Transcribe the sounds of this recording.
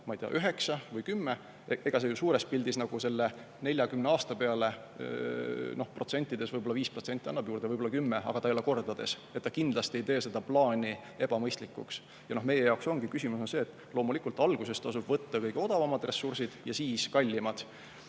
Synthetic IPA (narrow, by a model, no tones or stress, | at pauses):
mɑijt̪eɑ̰ʔyɦe̞ksɑvɤjkymːe | e̞ɡ̥ɑsejusuːɾespilʲd̪isnɑɡ̥use̞lːe̞ | ne̞lʲjɑkymneɑːst̪ɑpe̞ɑle̞ | no̞hpro̞t̪se̞nʲt̪ːˑid̪̥e̞svɤjbo̞lːɑviːspro̞t̪se̞nʲt̪iɑnːɑb̥juːrd̪eɤjbolːɑkymːeɑ̰ɡ̥ɑt̪ɑejole̞ko̞rd̪̥ɑd̪̥e̞s | et̪ːɑkind̪lɑst̪ie̞jt̪e̞ːse̞d̪ɑplɑːnʲi | e̞b̥ɑmɤjst̪likːˑṵks | jɑno̞hme̞je̞jɑwkso̞ŋɡ̥ikysimuso̞nse̞ːt̪ːˑ | lo̞ːmulikˑult̪ˑɑlɡ̥use̞st̪ɑsub̥vɤt̪ːɑkɤjɡ̥eo̞d̪ɑvɑmɑd̪re̞sːursid̪̥jɑsiːskɑlʲːimɑd̪̥